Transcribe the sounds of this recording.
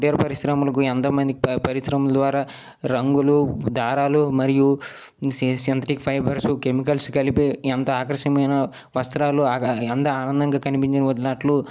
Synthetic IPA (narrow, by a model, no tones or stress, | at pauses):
ʈijɐɾpɐɾisɾɐmɐlɐkuent̪ɐmɐnd̪ikipɐɾisɾɐmuld̪ʋaːɾaː | ɾɐŋɡulud̪ʱaːɾaːlumɐɾiju | sɐnt̪ɾikpʰɐjbɐɾsukemikɐlskɐlipient̪ɐaːkɾɐʃɐmɐjnɐ | ʋɐst̪ɾaːluɛnt̪ɐaːnɐnd̪ɐŋɡaːkɐnipiɲt͡ʃinɐʋɐd̪nɐʈlu